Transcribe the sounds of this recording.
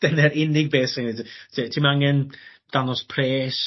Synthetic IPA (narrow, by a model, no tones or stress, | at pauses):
d̥ɛnɛɾɪnɪɡ̚beːsɪŋidsitʰimaŋɛn | d̥anɔspʰreːs